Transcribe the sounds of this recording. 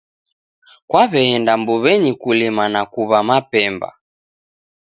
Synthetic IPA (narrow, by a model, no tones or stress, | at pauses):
kwaβɛɛndambuβɛɲikulimanakuβamapɛmba̰